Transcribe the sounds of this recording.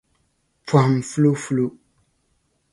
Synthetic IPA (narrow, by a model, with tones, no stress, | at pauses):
pa˨m˨fu˦lo˦fu˦lo˦